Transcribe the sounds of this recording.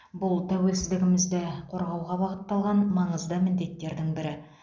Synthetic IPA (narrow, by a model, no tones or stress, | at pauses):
bʊlˠt̪ʰæwe̞lsɪzd̪ɪɡʲɪmɪzd̪ɪqʰo̞ɾʁɑwʁɑbɑʁət̪ːɑlˠʁɑnmɑɴəzd̪əmɪnd̪e̞t̪ːe̞ɾd̪ɪŋbɪɾɪ